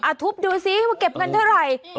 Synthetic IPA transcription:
ʔa˨˧˩t̪ʰu˦˥p̚duː˧si˦˥˧ke˨˩p̚ka˧nt̪ʰa˥˩wɾa˨˩j

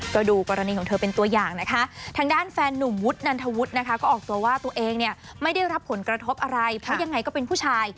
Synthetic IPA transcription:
kɔː˥˩duː˧kɔː˧ɾa˧niː˧kɔː˩˦t̪ʰɤː˧pe˧nt̪u˧ɐjaː˨˩ŋna˦˥kʰa˦˥ʔt̪ʰaː˧ŋdaː˥˩nfɛː˧nːu˨˩mwu˦˥t̪̚na˧nt̪ʰa˧wu˦˥t̪̚na˦˥kʰa˦˥kɔː˥˩ʔɔː˨˩k̚t̪u˧ɐwaː˥˩t̪u˧ɐʔeː˧ŋni˥˩ɐ | ma˥˩jda˥˩jɾa˦˥pʰːo˨˩˦nkɾa˧t̪ʰo˦˥p̚ʔa˧ɾa˧jpʰɾɔ˦˥ja˧ŋːa˧jkɔː˥˩pe˧npʰuː˥˩t͡ɕʰaː˧j

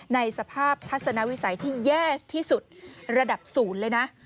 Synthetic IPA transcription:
na˧jsa˧pʰaː˥˩p̚t̪ʰa˦˥t̪̚sa˧na˦˥wi˦˥sa˩˦jt̪ʰiː˥˩jɛː˥˩t̪ʰiː˥˩su˨˩t̪̚ɾa˧da˨˩p̚suː˩˦nlɤː˧jna˦˥ʔ

